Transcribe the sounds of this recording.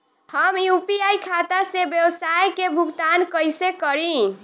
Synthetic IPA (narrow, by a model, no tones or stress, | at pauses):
həmjupiajkʰat̪asebjewsajkebʱuɡt̪ankəjsekəɾi